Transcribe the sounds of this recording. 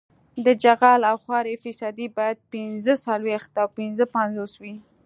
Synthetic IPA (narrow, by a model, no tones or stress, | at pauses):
d̪əd͡ʒaɣɑlawxwɑɾefisɑd̪ibɑjad̪̚pɪnzəsalwext̪awpɪnzəpanzoswi